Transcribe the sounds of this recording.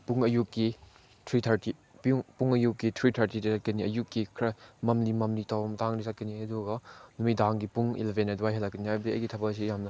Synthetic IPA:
puŋɐjukːi | tʰɾitʰaɾti | pŋpuŋɐjukːitʰɾitʰaɾtiɾizat̚kɐniɐjukːikʰɾɐmɐmlimɐmlitawɐmɐtaŋnizat̚kɐniaduɡɐnumidaŋɡipuŋḭlebʱenajduajɦɐlːakːɐniajbdiɐ̰jɡitʰɐbɐs̬ijamnɐ

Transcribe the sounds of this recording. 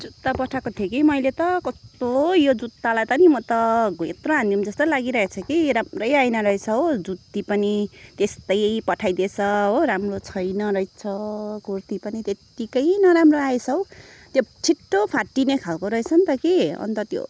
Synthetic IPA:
d͡zut̪ːapʌʈʰakot̪ʰjekimʌjlet̪ʌkʌst̪ojod͡zut̪ːalajt̪ʌnimʌt̪ʌɡʱoet̪rʌɦãnd̪iumd͡zʌst̪ʌlaɡiɾʌɦet͡sʰʌkiɾamrʌjajnʌɾʌɦet͡sʰʌod͡zut̪ːipʌnit̪est̪ʌjpʌʈʰajd̪et͡sʰʌɦoɾamrot͡sʰʌjnʌɾʌjt͡sʰʌkurt̪ipʌnit̪et̪ikʌjnʌɾamroaet͡sʰʌwt̪jot͡sʰiʈːopʰaʈːinekʰalkoɾʌet͡sʰʌnt̪ʌkiʌ̰nt̪ʌt̪jo̰

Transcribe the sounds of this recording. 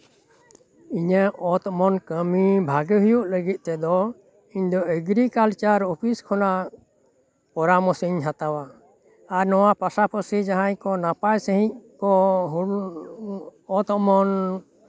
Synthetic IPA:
iɲɛʔɔt̪ɔmɔnkəmibʱaɡəɦujuʔləɡit̪̚ˀt̪ɛd̪ɔ | iɲd̪ɔeɡɾikalt͡ʃaɾɔpʰiskʰɔna | pɔɾamɔsiɲɦat̪awaː | ɾnɔwapasapʰɔsid͡ʒaɦaɲkɔnapajsəɦĩɲ̚kɔɦ | ɔt̪ɔmɔn

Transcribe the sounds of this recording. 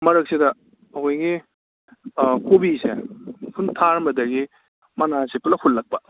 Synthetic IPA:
mɐɾɐk̚sidɐ | ɐojɡi | kobisḛkʰuntʰaɾmɐdɐɡi | mɐnasepulɐhʰullɐk̚pɐ

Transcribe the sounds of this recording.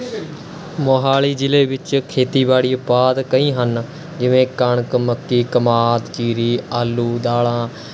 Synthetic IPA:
moːɦaːliːd͡ʒɪleːbɪt͡ʃkʰeːt̪iːbaːɽiːʊpaːd̪kəĩːɦən | d͡ʒɪʋẽːkəɳkməkːiːkəmaːt̪t͡ʃiːɾiːaːlːuːd̪aːɭãː

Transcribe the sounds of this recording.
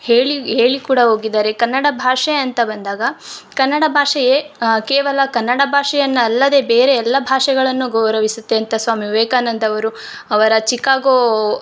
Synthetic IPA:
heːɭiɦe̞ːɭikuːɽɐɦo̞ːɡid̪aːɾe̞kɐnːɐɽɐbʱaːʂɐjɐɐnt̪ɐbɐnd̪aːɡɐkɐnːɐɽɐbʱaːʂɐjekeːʋɐlɐkɐnːɐɽɐbʱaːʂɐjɐnːɐɐlːɐd̪e̞ːbeːɾeɛlːɐbʱaːʂɛɡɐɭɐnːuɡɐwɾɐʋisut̪ːe̞ɐnt̪ɐsʋaːmiʋeːkaːnɐnd̪ɐʋɐɾu | ɐʋɐɾɐt͡ʃikːaːɡo

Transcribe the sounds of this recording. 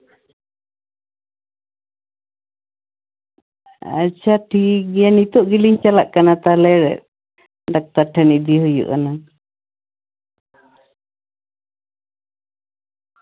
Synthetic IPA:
a̰t͡ʃʰaʈʰiɡijanit̪ɔʔɡiliɲt͡ʃalaʔkanat̪alɛɾɛ̰ | ɖak̚t̪aʈʰɛniʔd̪iɦujṵʔkana

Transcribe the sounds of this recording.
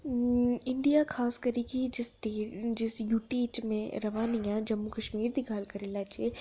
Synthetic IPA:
ɪ̃ɳɖijakʰaːskɐɾikid͡ʒɪsʈeːd͡ʒɪsjuːʈiːt͡ʃmḛ̃ɾɐʋaːnijãd͡ʒɐmːukɐʃmiːɾd̪iɡʱaːlkɐɾelaːt͡ʃe

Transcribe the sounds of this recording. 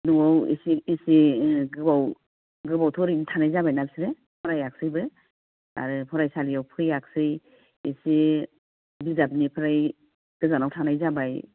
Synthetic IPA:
nuawḭsiːsiɡɯbaw | ɡɯbawtʰɔɾinitʰanajzabajnalsiɾe | pʰɔɾajak̚sɯjbɯ | a̰ɾɯpʰɔɾajsalijawpʰɯjak̚sɯj | isi | bizap̚nipʰɯɾaj | ɡ̥ɯzanawtʰanajzabaj

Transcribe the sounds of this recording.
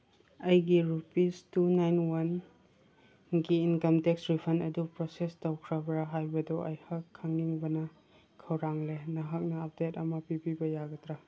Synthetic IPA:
ɐjɡiɾupistunajnwɐn | ɡiːnkɐmteksɾipʰɐnɐdupɾosestɐwkʰɾɐbɾaɦajbɐdɔʔɐjhɐkʰːaŋniŋbɐnɐ | kʰɐwɾaŋlenɐɦɐk̚nɐːp̚detɐmɐpibibɐjaɡɐtɾa

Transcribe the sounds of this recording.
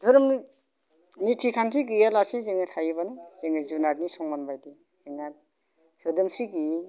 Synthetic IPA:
dʱɯɾɯm | nitʰikʰansʰiɡijalasizeŋɯt̪ʰajiβanɯzeŋizunaɾnisɔŋmanbajdi | heŋan | sɯdɯmsiɡi

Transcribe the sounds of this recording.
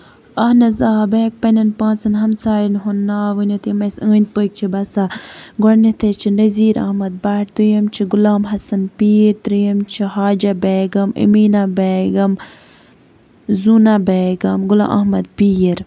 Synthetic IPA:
ɐhnɐzaːbeːk̚pɐnɐnpãːnt͡sɐnɦɐmsaːjnɦunːaːʋɨnʲot̪jimɐsɨːnʲd̪̚pək̚t͡ʃʰibɐsaɡoɾnit̪ʰet͡ʃʰinɐziːɾɐ̰hmɐd̪̚baːʈt̪ujɐmt͡ʃʰiɡʊlaːmɦɐsɐnpiːɾt̪ɾijɐmt͡ʃʰiɦaːd͡ʒɐbeːɡɐmḭmiːnabeːɡɐm | zuːnabeːɡɐmɡula̰ːʔɐ̰ɦmɐd̪̚piɾ

